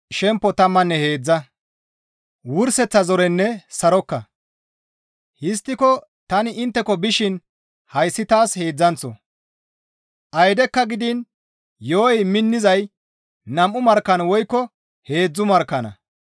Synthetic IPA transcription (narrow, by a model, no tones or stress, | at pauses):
ʃɛmpːɔt̪ɐmːɐnːɛhe̞ːd͡zːɐ | wʊɾsɛt͡sːɐzɔɾɛnːɛsɐɾɔkːɐ | hɪst̪ːɪkɔ | t̪ɐnɪɪnt̪ːɛkɔbɪʃɪn | hɐjsːɪt̪aːshe̞ːd͡zːɐnt͡sːɔ̰ | ʔɐjd̪ɛkːɐɡɪd̪ɪn | joːjmɪnːɪzɐj | nɐmʔːʊmɐɾkːɐnwɔjkːɔ | he̞ːd͡zːʊmɐɾkːɐnɐ̰